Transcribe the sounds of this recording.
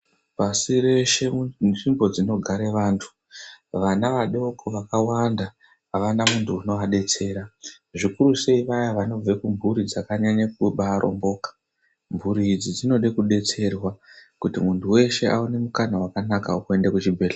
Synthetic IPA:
pasire̞ʃe̞ʐimbo̞d͡zino̞ɡʱaɾe̞ʋaːntʰu̥ | ʋanaʋaɗo̞koʋakawanda | aʋanamuntʰuːno̞aɗe̞t͡se̞ːɾa | ʐikuruse̞iʋajaʋano̞b͡ve̞kumbʱuɾid͡zakaɲaɲak̚uɓaɾʔo̰mbo̞ːkḁ | mbʱuɾid͡zid͡zino̞ɗe̞kuɗe̞t͡se̞rwakutimuntuwe̞ʃe̞ʔa̰une̞mukanawakanakaukue̞ndekut͡ʃibʱe̞ːɬa

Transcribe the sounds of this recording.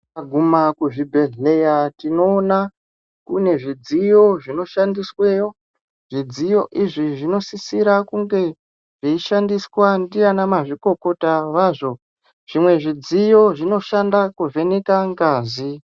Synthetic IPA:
aɡʱumakuʐibʱe̞ɮe̞jatino̞ːna | kune̞ʐid͡zijo̞ʐino̞ʃandisweːjo̞ | ʐid͡zijo̞ʔiʐiʐino̞sisiɾakuŋɡe̞ | ʐ̥iiʃandiswandianamaʐiko̞ko̞taʋaːʐo̞ | ʐ̥imwe̞ʐid͡zijo̞ʐino̞ʃandakuve̞nekaŋɡaːzi

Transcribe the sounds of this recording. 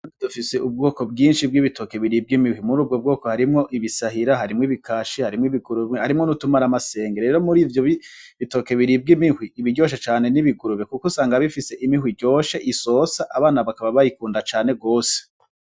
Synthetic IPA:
dufise̞ub̚ɡo̞ːko̞bɡiːnʃib̚ɡiβito̞ke̞βiɾib̚ɡimihwimuɾuːb̚ɡob̚ɡo̞ːko̞haɾimŋo̞ʔiβisaɦiɾaɦaɾimŋiβikʰaːʃihaɾimŋwiβiɡuɾuβehaɾimŋonutumaɾamase̞ːŋɡeɾe̞ːɾo̞muɾiːvjoβiβito̞ke̞βiɾiːb̚ɡimihwiːβiɟo̞ːʃ̬et͡ʃaːne̞niβiɡuɾuβekukosaːŋɡaβifise̞ʔimihwiɟo̞ːʃe̞ʔiso̞ːsaʔaβaːnaβakaβaβajikuːndat͡ʃaːne̞ɡo̞ːse̥

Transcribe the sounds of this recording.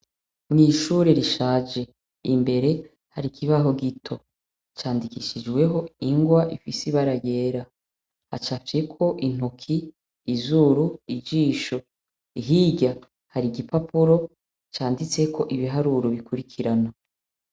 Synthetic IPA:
mniʃuːɾe̞ɾiʃaːd͡ʒe̞ | imbe̞ɾe̞ | haɾikʰiβaɦo̞ɡitʰo̞ | t͡ʃaːndikiʃid͡ʒɡwe̞ɦo̞iŋɡwaʔifisiβaɾaje̞ːɾa | ha̰t͡ʃafe̞kʰo̞ʔin̥ukʰiː | zuɾuid͡ʒiːʃo̞ | iɦiɟa | haɾiɡipapuɾo̞ | t͡ʃaːndit͡se̞kʰo̞ʔiβiɦaɾuɾoβikuɾikʰiɾana

